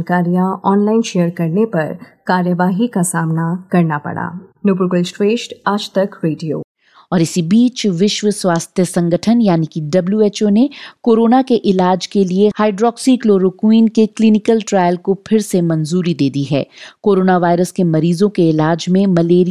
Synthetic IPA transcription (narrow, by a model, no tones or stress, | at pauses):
kaːɾijãɔːnlaːɪnʃeːəɾkɐɾnepɐɾkaːɾjəʋaːɦikasaːmnakɐɾnapɐ̰ɽa̰ːnupɾukəlsʈʋeːʃʈaːd͡ʒt̪ɐkɾeːɖijo̰ː | ɔːɾɪsibiːt͡ʃʋɪʃʋəswaːst̪ʰjəsɐ̃ŋɡəʈʰənjaːnikiɖɐbljueːt͡ʃoːnekoːɾoːnakeʔɪlaːd͡ʒkeliehaːɪɖɾɔːksikloːɾokwĩːnkeklinɪkəlʈɾaːjəlkopʰɪɾsemɐ̃nzuːɾid̪eːd̪iɦɛ̰ːkoːɾoːnaʋaːɪɾəskemɐɾiːzõkeɪlaːd͡ʒmẽmɐleːɾi